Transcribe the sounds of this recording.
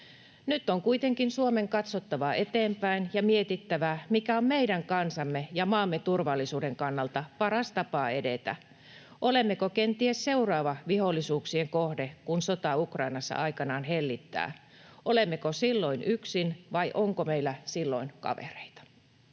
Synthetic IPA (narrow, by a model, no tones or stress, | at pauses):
nyt̪ːˑoŋkuit̪eŋkinsuomeŋkɑt̪sot̪ːɑʋɑe̞t̪eːmpæinjɑmiet̪it̪ːæʋæmikæommeidæŋkɑnsɑmːejɑmɑːmːet̪urʋɑlːisuːdeŋkɑnːɑlt̪ɑpɑɾɑst̪ɑpɑːe̞det̪æ̰ | ʔolemːekokent̪iesseurɑːʋɑʋiholːˑisuːksieŋkohdekunsot̪ɑukrɑinɑsːɑ̰ʔɑikɑnɑːnɦelːit̪ːæ̰ː | ʔolemːekosilːo̞inʔyksinʋɑiʔoŋkomeilːæsilːo̰inkɑ̰ʋḛre̥it̪ɑ̥